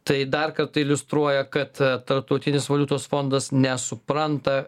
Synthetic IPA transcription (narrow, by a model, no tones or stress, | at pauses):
t̪ɐɪd̪ɐrkɐɾt̪ɐɪlʲʊst̪ɾuɔjɛkɐt̪t̪ɐɾp̚t̪ɐʊt̪ʲɪnʲɪsʋɐlʲuːt̪oːsfond̪ɐsnʲɛsʊpɾɐnt̪ɐ